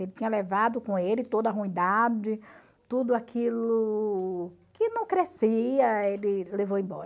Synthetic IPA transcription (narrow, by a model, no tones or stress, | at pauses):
elɪt͡ʃ̪ĩɲɐlevad̪ʊkõelɪt̪od̪ɐːɦũĩd̪ad͡ʒɪ | t̪ud̪ʊakʰilʊ | kɪnɐ̃w̃kɾesiɐelɪlevowĩbɔ̰ɾɐ